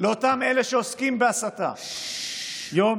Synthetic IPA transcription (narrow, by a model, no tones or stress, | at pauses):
leo̞t̪ame̞leʃeoskimbeasat̪a̰ | jom